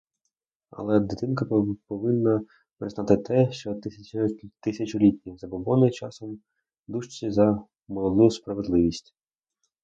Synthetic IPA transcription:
ɐ̰lˠɛd̪ɪt̪ɪnkɐpɔʋɪnːɐ | pɾɪznɑt̪ɪt̪ɛʃt͡ʃɔt̪ɪt̪ɪsʲɐt͡ʃʊlʲitʲnʲizɐbɔbɔnɪt͡ʃɑ̰sɔm | d̪uʃt͡ʃʲizɐ | mɔlˠɔd̪ujʊspɾɐʋed̪lˠɪʋʲisʲtʲ

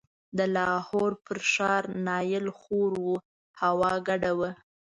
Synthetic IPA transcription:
d̪əlɑhoɾpəɾʃɑɾnɑjɪlxoɾwu | hawɑɡaɖawə

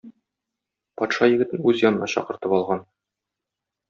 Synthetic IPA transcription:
pɒt̪ʃɑjɘ̆ɡɘ̆t̪ɘnʉzjɒnɤ̆nɑɕɒ̰qɤ̆ɾt̪ɤpɒlˠʁɑn

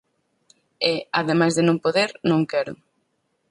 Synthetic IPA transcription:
ɪaðemajzðɪnõŋpoðeɾnõŋkɛɾʊ̰

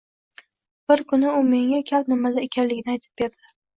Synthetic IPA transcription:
b̥ɪɾkʰʊnɪʊme̞ŋakʲʰapnɪmalaekʲʰanlɪɡʲɪnɪajt̪ʰɪ̥p̚be̞ɾd̪ɪ

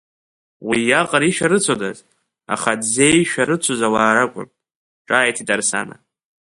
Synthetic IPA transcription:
wijaqʼaɾiʃᶣaɾɨt͡sʷʰodaz | a̰χadzeʃᶣaɾɨt͡sʷʰozalaːɾakʷʼʊ̰n | ʈ͡ʂʼaːjtʰitʼarsa̰na̰

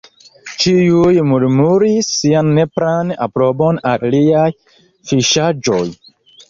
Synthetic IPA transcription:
t͡ʃiujmuɾmuɾisːianːepɾana̰pɾo̞bona̰ɾliaj | fiʃad͡ʒoj

